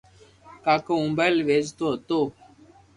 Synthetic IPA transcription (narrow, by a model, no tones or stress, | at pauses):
kakəũmbalʋezt̪ot̪o